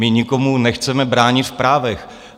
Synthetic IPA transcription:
ɪɲɪkomunɛxt͡sɛmɛbɾaːɲɪt̪fpɾaːvɛx

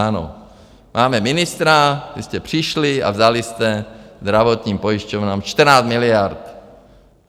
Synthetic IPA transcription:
ano̰ | mʔaːmɛminɪst̪ɾat̪isc̪ɛpr̝̥iʃlia̰vzalist̪ɛzd̪ɾaʋot̪ɲiːmpojiʃcɔvnaːmt͡ʃt̪rnaːmiliaɾt̪

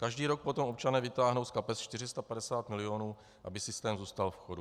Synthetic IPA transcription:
kaʒdiːɾok̚pot̪o̞mʔop̚t͡ʃanɛːvɪt̪aːɦnowskapɛst͡ʃt̪ɪr̝ɪst̪apadɛsaːt̪mɪlɪjo̞nuː | ʔa̰bɪsɪst̪ɛːmzuːst̪alfxodu

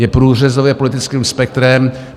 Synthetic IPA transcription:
jɛpɾuːr̝ɛzovjɛpolɪt̪ɪt͡skiːmspɛk̚t̪ɾɛm

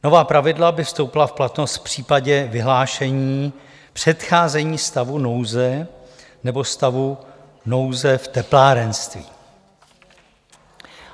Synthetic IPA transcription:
no̞vaːpɾavɪdlabɪfst̪o̞wpɪlafplat̪no̞st̪fpr̝̥iːpaɟɛvɪɦlaːʃɛɲiː | pr̥ɛt̪xaːzɛɲiːst̪avuno̞wzɛ | nɛbo̞st̪avu | no̞wzɛft̪ɛplaːɾɛnst̪vḭː

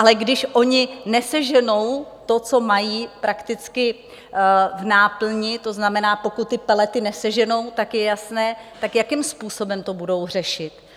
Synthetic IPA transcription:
ʔalɛɡdɪʃʔo̞ɲɪnɛsɛʒɛno̞wt̪o̞t͡so̞majiːpɾʔakt̪ɪt͡skɪ | vnaːpl̩ɲɪt̪o̞znamɛnaːpo̞kut̪ːɪpɛlɛt̪ɪnɛsɛʒɛno̞wt̪akjɛjasnɛːt̪akjakɪmspuːso̞bɛmt̪o̞budo̞wr̝ɛʃɪt̪

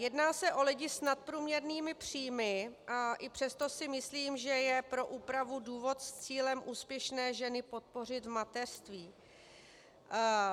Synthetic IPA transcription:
jɛdnaːsɛʔo̞lɪɟɪsnat̪̚pɾuːmɲɛɾniːmɪpr̝̥iːmɪʔaʔɪpr̥ɛst̪o̞sɪmɪsliːmʒɛjɛpɾo̞ʔuːpɾavuduːvo̞t̪st͡siːlɛmʔuːspjɛʃnɛːʒɛnɪpo̞t̪̚po̞r̝ɪt̪vmat̪ɛr̥st̪viː

